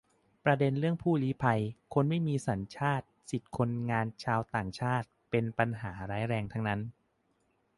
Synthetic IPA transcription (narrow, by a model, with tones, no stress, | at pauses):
pɾa˧de˧nɾɯ˥˩əŋpʰuː˥˩liː˦˥pʰa˧jkʰo˧nma˥˩jmiː˧sa˩˦nt͡ɕʰaː˥˩t̪̚si˨˩t̪̚kʰo˧nŋaː˧nt͡ɕʰaː˧wt̪aː˨˩ŋt͡ɕʰaː˥˩t̪̚pe˧npa˧nɦaː˩˦ɾaː˦˥jɾɛː˧ŋt̪ʰa˦˥ŋna˦˥n